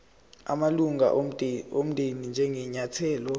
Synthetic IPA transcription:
a̰maluŋa̰om̩dʱenind͡ʒʱɛŋɡʱɛɲatʰɛːlɔ

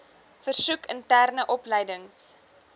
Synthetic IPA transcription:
fərsukʰəntærnəʔɔpləjdəŋs

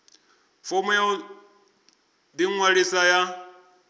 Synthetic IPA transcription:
fɔmɛjɔ | d̪iŋwaɺisaja

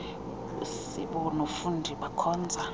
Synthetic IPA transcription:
ṵsiɓɔnofundʱiɓakʰɔːnd͡zʱa

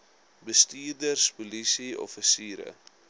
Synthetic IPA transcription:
bəstiːrdərspɔlisiɔ̰fəsiːɾə̰

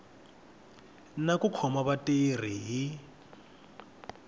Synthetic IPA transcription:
nakukʰɔmaβatʼer̤iɦi

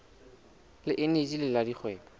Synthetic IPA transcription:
lɪʔɪnet͡ʃilɪladiχwɛːŋɔ

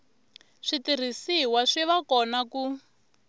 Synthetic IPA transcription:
ʂitir̤isiwaʂiʋakɔnaku

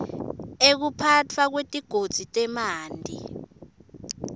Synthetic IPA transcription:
ek̬upʰatʰwak̬wetʼiɡ̥ʱod̥z̥ʱitʼɛmaːndʱḭ

